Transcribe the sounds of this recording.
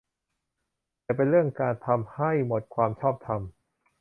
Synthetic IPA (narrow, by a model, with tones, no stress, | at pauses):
pe˧nɾɯ˥˩əŋkaː˧nt̪ʰa˧mha˥˩jmo˨˩t̪̚kʰwaː˧mt͡ɕʰɔː˥˩p̚t̪ʰa˧m